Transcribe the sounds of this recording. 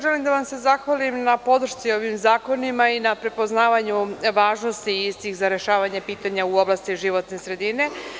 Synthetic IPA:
ʒe̞limd̪aʋamse̞zaxʋalimnapo̞d̪r̩ʃt̪sio̞ʋimzaːko̞nimainapɾe̞po̞znaːʋaɲuʋaːʒno̞st̪iːst̪ixzaɾe̞ʃaːʋaɲepiːt̪aɲauo̞blˠast̪iʒiʋo̞t̪ne̞sɾe̞d̪ine̞

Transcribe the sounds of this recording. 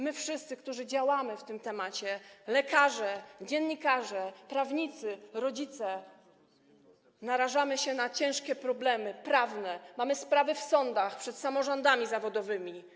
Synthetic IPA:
mɘfʂɘst̪sɘk̚t̪uʐɘd͡ʑawamɘft̪ɘmt̪ɛmat͡ɕɛlɛkaʐɛd͡ʑɛnːɲikaʐɛpɾavɲit̪sɘɾɔd͡ʑit̪sɛ | naɾaʐamɘɕɛnat͡ɕɛ̃w̃ʂkʲɛpɾɔblɛmɘpɾavnɛmamɘspɾavɘfsɔnd̪axpʂɛt̪samɔʐɔnd̪amʲizavɔd̪ɔvɘmʲi

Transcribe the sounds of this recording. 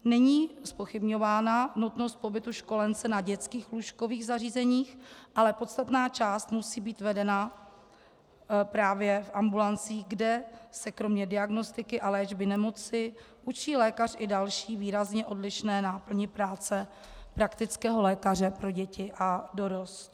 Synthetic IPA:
nɛɲiːspo̞xɪbɲo̞vaːnanut̪no̞st̪̚po̞bɪt̪uʃko̞lɛnt͡sɛnaɟɛtt͡skiːxluʃko̞viːɣzariːzɛɲiːxʔalɛpo̞t̪st̪at̪naːt͡ʃaːst̪musiːbiːt̪vɛdɛna | pɾaːvjɛfʔambulant͡siːɣɡdɛsɛkɾomɲɛdɪaɡno̞st̪ɪkɪʔalɛːʒbɪnɛmo̞t͡sɪ | ʔut͡ʃiːlɛːkar̝ʔɪdalʃiːviːɾazɲɛʔo̞dlɪʃnɛːnapl̩ɲɪpɾaːt͡sɛ | pɾakt̪ɪt͡skɛːɦo̞lɛːkar̝ɛpɾo̞ɟɛcɪʔado̞ɾost̪

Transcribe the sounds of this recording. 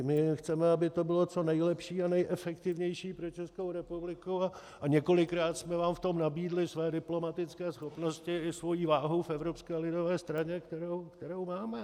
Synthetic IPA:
mɪxt͡sɛmɛabɪt̪obɪlo̞t͡so̞nɛjlɛpʃiːanɛjʔɛfɛkt̪ɪvɲɛjʃiːpɾot͡ʃɛskowɾɛpublɪkua | aɲɛko̞lɪkɾaːt̪smɛvaːmft̪o̞mnabiːdlɪsvɛːdɪplo̞mat̪ɪt͡skɛːsxopno̞scɪɪsvo̞jiːvaːɦowfɛvɾopskɛːlɪdo̞vɛːst̪ɾaɲɛkt̪ɛɾowkt̪ɛɾowmaːmɛ

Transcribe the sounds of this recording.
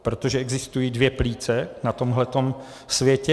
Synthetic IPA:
pɾot̪o̞ʒɛʔɛɡzɪst̪ujiːdvjɛpliːt͡sɛnat̪o̞mɦlɛt̪o̞m | svjɛcɛ

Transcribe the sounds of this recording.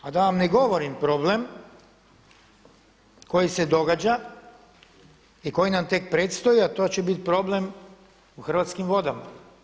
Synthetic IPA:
ad̪aʋamneɡo̞ʋoɾimpɾo̞blem | ko̞jise̞d̪o̞ɡad͡ʑa | iko̞jinamt̪ek̚pɾet̪st̪o̞jiat̪o̞ːt͡ɕebit̪̚pɾo̞blem | uxr̩ʋat̪skimʋo̞d̪ama

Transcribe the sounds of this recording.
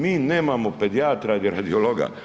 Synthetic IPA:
miːneːmamoped̪iaːt̪ɾad̪iɾad̪ioloɡa̰

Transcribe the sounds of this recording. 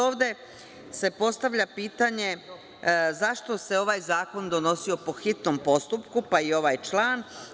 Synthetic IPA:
oːʋd̪e̞ | se̞po̞st̪aʋʎʲapiːt̪aɲe̞ | zaʃt̪o̞se̞o̞ʋajzaːko̞nd̪o̞no̞sio̞po̞xit̪no̞mpo̞st̪upkupaio̞ʋaːjt͡ʃlˠaːn

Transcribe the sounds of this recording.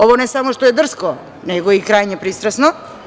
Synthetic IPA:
ovɔnɛsamoʃt̪oɛd̪r̩skɔ | nɛɡoikɾajɲɛpɾist̪ɾɛsno

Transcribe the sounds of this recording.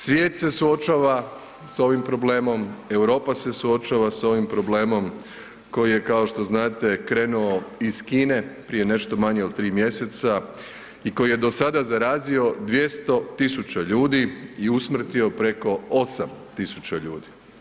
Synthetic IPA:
sʋʲje̞ːt̪se̞suo̞t͡ʃaːʋa | so̞ʋimpɾo̞ble̞ːmo̞me̞wɾo̞ːpase̞suo̞t͡ʃaːʋaso̞ʋimpɾo̞bleːmo̞m | ko̞jije̞kao̞ʃt̪o̞znaːt̪e̞kɾe̞ːnuo̞iz̥kiːne̞pɾije̞ne̞ʃt̪o̞maɲeod̪̚t̪ːɾiːmje̞se̞t̪sa | iko̞jije̞d̪o̞sad̪azaɾaːzio̞d̪ʋje̞st̪o̞t̪isut͡ʃaʎuːd̪iiusmr̩t̪io̞pɾe̞ko̞osamt̪isut͡ɕaʎuːd̪i

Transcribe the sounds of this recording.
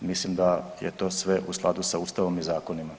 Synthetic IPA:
mislimd̪ajet̪o̞ːsʋe̞ʔusklˠa̰d̪usauːst̪aʋo̞mizaːko̞nima

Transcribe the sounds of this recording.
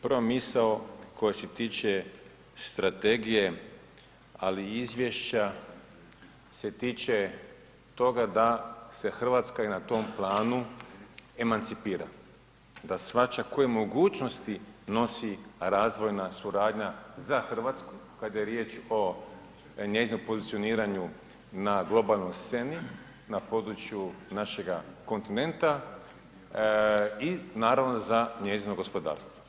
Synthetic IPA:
promisaoko̞jeset̪iːt͡ʃe̞ | st̪ɾat̪e̞ɡije̞ | aliizʋʲjeʃt͡ɕa | se̞t̪iːt͡ʃe̞ | t̪o̞ɡad̪ase̞xr̩ʋat̪skainat̪o̞mplˠaːnu | e̞mant̪sipiːɾa̰ | d̪asʋat͡ʃako̞jemo̞ɡuːt͡ʃno̞st̪ino̞siɾaːzʋo̞jnasuɾaːd̪ɲazaxr̩ʋat̪sku̥kad̪ajeɾje̞ːt͡ʃo̞ | ɲe̞zinompo̞zit̪sio̞niːɾaɲu | naɡlˠo̞balˠnojst̪se̞ni | napo̞d̪ɾut͡ʃjunaʃe̞ɡako̞nt̪ine̞nt̪a | inaːɾaʋno̞zaɲe̞ːzinoɡo̞spo̞d̪a̰ːɾst̪ʋo̥

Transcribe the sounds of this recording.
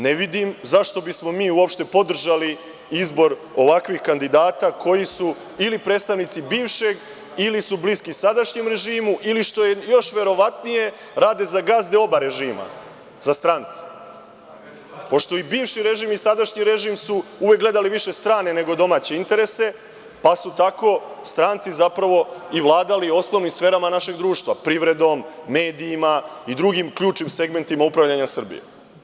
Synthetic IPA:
neʋid̪imzaʃt̪o̞bismo̞miːuopʃt̪e̞po̞d̪r̩ʒali | izbo̞ɾo̞ʋakʋixkand̪id̪aːt̪akʰo̞jisu | ilipɾed̪st̪aʋnit̪sibiːʋʃe̞ɡ | ilisubliskisad̪aʃɲemɾe̞ʒiːmuʔiliʃt̪o̞jejo̞ʃʋe̞ɾo̞ʋat̪nije̞ | ɾaːd̪e̞zaɡazd̪eo̞baɾe̞ʒiːma̰ | z̥ast̪ɾant̪se̥ | po̞ʃt̪o̞ibiːʋʃiɾe̞ʒimisad̪aʃɲiɾe̞ʒimsuuʋek̚ɡle̞d̪aliʋiʃe̞st̪ɾaːne̞ne̞ɡo̞d̪o̞maːt͡ɕe̞int̪e̞ɾese̞ | pasut̪ako̞st̪ɾaːnt̪sizapɾaʋo̞iʋlˠaːd̪alio̞sno̞ʋnimsfe̞ːɾamanaʃe̞ɡd̪ɾuːʃt̪ʋapɾiʋɾe̞d̪o̞mːe̞ːd̪iːmaid̪ɾuɡimkʎuːt͡ʃnimse̞ɡme̞nt̪imaupɾaʋʎaɲasr̩bḭjḛ

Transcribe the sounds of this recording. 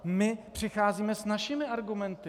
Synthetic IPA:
mɪpr̥ɪxaːziːmɛsnaʃimɪʔaɾɡumɛnt̪ɪ

